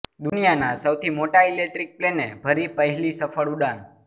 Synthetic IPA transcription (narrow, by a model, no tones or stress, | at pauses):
d̪unijanasəwt̪ʰimoʈaelek̚ʈɾik̚plenebʱəɾipəɦɛlisəfəɭuɖan